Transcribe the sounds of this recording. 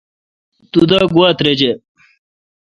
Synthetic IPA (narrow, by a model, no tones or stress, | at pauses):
t̪ud̪aːɡwaːt̪ɾed͡ʑe